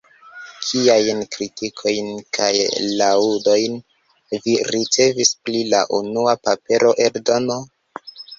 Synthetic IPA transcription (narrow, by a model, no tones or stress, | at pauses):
kʰiajnkɾitikʰo̞jnkʰajlaudo̞jn | viɾit͡se̞visplila̰ʔunuapape̞ɾo̞ʔe̞ɾdo̞no̞